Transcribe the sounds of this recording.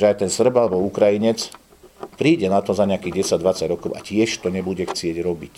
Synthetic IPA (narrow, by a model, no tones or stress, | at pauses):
ʒɛajt̪ɛnsr̩balɛbɔukɾajiɲɛt͡s | pɾiːɟɛnat̪ɔzaɲɪakiːɣɟɛsaɟd̪ʋat͡saɟɾɔkɔʊʔa̰cɪɛʃt̪ɔɲɛbuɟɛxt͡sɪɛɟɾɔbic